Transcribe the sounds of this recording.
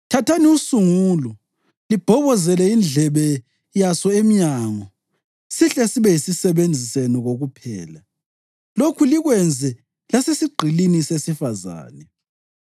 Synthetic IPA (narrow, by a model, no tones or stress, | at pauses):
tʰatʰaniusuŋuːlɔ | lib̥ʱɔβɔzɛlɛind͡ɮʱɛβɛ | jasɔemiɲaŋɔ | siɬɛsiβɛjisisɛβend͡zʱisenɔɣoɣupʰɛ̰ːla | lokʰuliɣwɛnd͡zʱɛ | lasesiɡ͡ǃʱilinisesifaza̰ːnɛ